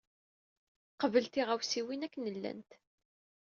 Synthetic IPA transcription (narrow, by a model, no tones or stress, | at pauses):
qəvəlt̪iʁæwsiwinækːnəlːæ̰nt̪